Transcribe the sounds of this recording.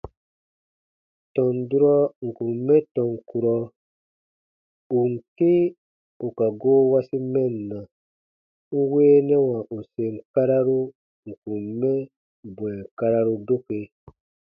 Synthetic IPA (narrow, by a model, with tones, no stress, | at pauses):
tɔ̃˨n˨du˦ɾɔ˦ŋ̩˨kũ˨m˦mɛ̃˦tɔ̃˨ŋ˨ku˨ɾɔ˧ | u˨ŋ̩˨ke˦ | u˨ka˨ɡoː˦wa˦si˦mɛ̃˦n˨nã˨ | ŋ̩˦weː˦nɛ˦wã˨ʔu˨se˨ŋ̩˦ka˦ɾa˦ɾu˦ | ŋ̩˨kũ˨m˦mːɛ̃˦ | bw̃ɛ˨ka˧ɾa˦ɾu˧do˦ke˨